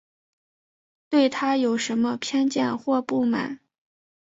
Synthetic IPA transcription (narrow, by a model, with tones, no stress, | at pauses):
t̪we˥˩ɪt̪ʰa˥jo˨˩ʊʂə˧˥nmə˧pʰjɛ˥nt͡ɕjɛ˥˧nxwɔ˥˧pu˥˩ma̰˨˩˦n